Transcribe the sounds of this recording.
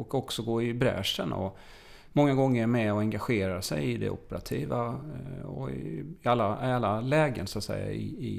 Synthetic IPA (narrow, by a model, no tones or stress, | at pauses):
ɔkɔksɔɡoːɪbɾɛ̰ːʂənɔ̰ | mɔŋːaɡɔŋːəɾmɛɔɛŋɡaɧeːɾasɛ̰jɪd̪ɛ̰ʔɔpːəɾat̪ʰiːva | ɔ̰ɪɪalːaalːalɛːɡənsʊat̪sɛ̰jːa̰ɪɪ